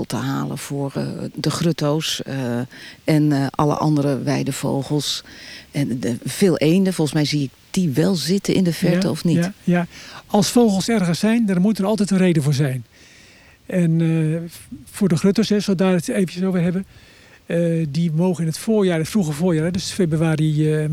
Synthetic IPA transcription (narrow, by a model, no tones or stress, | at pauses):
lˠtəɦaːlə̰fʊːəɹdəχrøtows | ɛnʔɑ̰lə̰ʔɑ̰ndəɾəʋɛjdəv̥o̰wɣəlˠsɛfeːlˠʔejndəfɔlˠəsmɛjziɪk̚d̥iʋɛlˠzɪtəʔɪ̰ndəfɛɹtəɔfnijaɑlˠsfowxəlˠsɛrɣəsɛjndarmutərɑlˠtɛjtənrejdəvʊːrzɛjn | ʔɛn | fʊːrdəxrøtosɦɛsolˠdaːdəteːvənəsowʋɪːrɦɛbə | dimowɣənɪnətfoːrjaːətfruɣəvʊːrjaːrɛdøsfebrwaːri